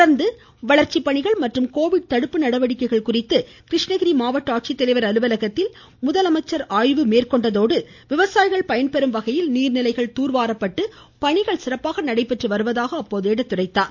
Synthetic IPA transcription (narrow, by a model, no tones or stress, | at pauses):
ɽɐɾnd̪ɯ | ʋɐɭɐɾt͡ʃipːɐɳɪɣɐɭmɐʈrɯmkoːʋɪɽ̚t̪ɐɽɯpːɯnɐɽɐʋɐɽɪkːɐɪɣɐɭkʊrɪt̪ːɯ | kɾɪʂɳɐɣɪɾimaːʋɐʈːaːʈ̚t͡ʃit̪ːɛlɐɪʋɐɾɐlɯʋɐlɐɣɐt̪ːɪl | mʊðɐlɐmɐɪt͡ʃːɐɾaːjʋɯmeːrkɔɳɖɐðoːɽɯ | ʋɪʋɐsaːjɪɣɐɭpɐjɐnpɛɾɯmʋɐɣɐjɪlniːɾnɪlɐɪɣɐɭt̪uːɾʋaːɾɐpːɐʈːɯ | pɐɳɪɣɐɭsɪrɐpːaːɣɐnɐɽɐɪpːɛʈrɯʋɐɾɯʋɐðaːɣɐːpːoːðeːɽɐt̪ːʊɽɐɪt̪ːaːn